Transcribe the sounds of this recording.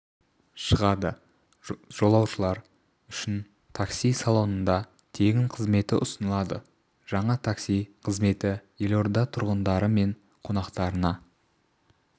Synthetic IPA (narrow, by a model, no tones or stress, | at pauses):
ʃəʁɑd̪ə | ʒ̥o̞lˠɑwʃəlˠɑɾ | ʏʃɪn | t̪ʰaksijsɑlˠo̞nənd̪ɑ | t̪ʰe̞ɡʲɪɴqʰəzme̞t̪ɪʔʊsənəlˠɑd̪ə | ʒ̥ɑɴɑt̪ʰaksijqʰəzme̞t̪ɪje̞lo̞ɾd̪ɑt̪ʰʊɾʁənd̪ɑɾəme̞ɴ | qʰo̞nɑqt̪ɑɾənɑ